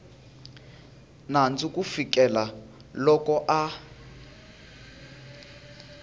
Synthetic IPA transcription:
nant͡sukufikʼɛla | lɔkɔʔa

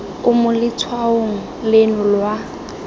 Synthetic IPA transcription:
ʊmʊlɪt͡sʰwaoŋ̩lenʊlwa

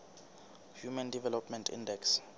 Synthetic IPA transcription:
hjumandivɛlɔpmɛntʰḭndɛks

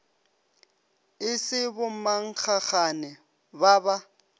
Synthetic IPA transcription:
ɪsɪbʊmaŋ̩k͡xʰaχanɛ | baba

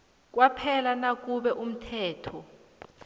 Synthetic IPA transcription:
k̬ʼwapʰɛlanak̬ʼuɓɛʔum̩tʰɛːtʰɔ

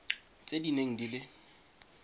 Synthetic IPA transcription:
t͡sʼedineŋ̩dilɪ

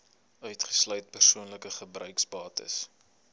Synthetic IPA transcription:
œɥtχə̥slœɥt̚pərsuənləkəχəbrœɥksbɑːtə̰s

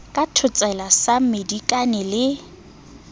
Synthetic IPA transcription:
kʼatʰʊt͡sʼɛlasamedikʼanɛlɪ

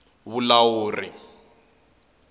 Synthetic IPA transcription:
βulawoːri

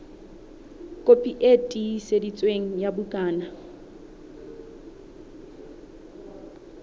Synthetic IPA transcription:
kʼopʼiʔetʼisedit͡sʼweŋ̩jabukʼaːna

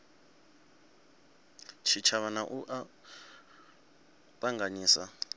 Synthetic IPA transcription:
t͡ʃʰit͡ʃʰaβanaʔuʔa | pʼaŋɡaɲiːsa

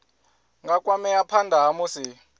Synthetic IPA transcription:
ŋɡakʼwamɛapʰandʱaɦamusi

